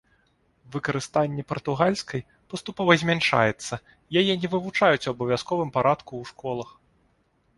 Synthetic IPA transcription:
vɨkɐɾɨst̪anʲːɛpɐrt̪uɣalʲskɐj | pɐst̪upɔvɐzʲmʲanʂa̰jɛt̪sːɐ | jajɛnʲɛvɨvut͡ʂajut͡sʲwɐbɐvʲjaskɔvɨmpaɾʔat̪kuwʂkʰɔlˠɐx

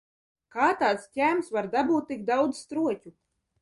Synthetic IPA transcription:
kaːt̪aːt̪scʲæːmsvaɾd̪abuːt̪̚ːik̚d̪awd̪zst̪ɾuɔcʲu

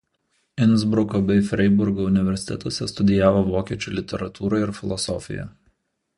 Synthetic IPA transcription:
ɪnʲˑzbɾʊkoːbʲɛɪfʲɾʲɛɪbʊɾɡoːʊnʲɪʋʲɛɾʲsʲɪ̥t̪ʲɛt̪oːsʲɛst̪ʊd̪ʲɪjæːʋoːʋoːkʲiɛt͡ʃʲuˑlʲɪt̪ʲɛɾɐt̪uːɾɐɪɾfʲɪlˠɔsɔ̰fʲɪ̰jɛ̰

